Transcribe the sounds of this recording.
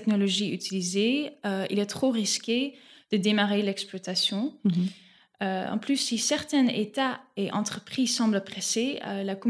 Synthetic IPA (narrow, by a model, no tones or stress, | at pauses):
ɛknɔlɔʒiyt̪ilizeøḭlɛt̪χoʁiskʲed̪̥əd̪emaʁelɛksplwat̪asjɔ̃ | øɑ̰̃plysːisɛʁt̪ɛ̃nḛt̪aeʔɑ̃t̪χəpχiːzsɑ̃bləpχɛseølakɔm